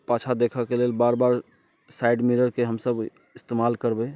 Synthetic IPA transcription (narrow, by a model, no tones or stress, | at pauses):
pat͡ʃʰad̪ekʰəkelelbaɾbaɾ | saɪɖmiɾəɾkeɦəmsəb | ɪst̪emalkəɾbɛ